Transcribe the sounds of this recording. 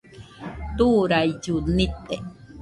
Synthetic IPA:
t̪uːɾajd͡ʒunit̪e

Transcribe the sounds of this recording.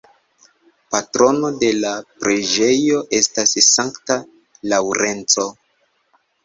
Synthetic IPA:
patɾo̞no̞de̞lapɾʔed͡ʒe̞jo̞ʔe̞stassaŋkta | lawɾe̞nt͡so̞

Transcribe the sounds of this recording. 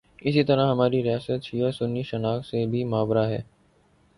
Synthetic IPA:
ɪsit̪ɐɾaɦɐmaːɾiɾɪjaːsət̪ʃiːəsʊnːiʃɐnaːksebʱimaːʋɾaɦɛ̰ː

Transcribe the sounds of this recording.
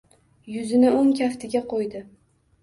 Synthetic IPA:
jʊzɪnɪʊŋkʲʰaft̪ʰɪɡʲaqʰojd̪ɪ

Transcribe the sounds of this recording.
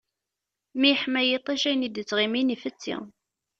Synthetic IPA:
miħmæjit̪ˤiʃæjnid̪ət͡sːʁiminifət͡sːḭ

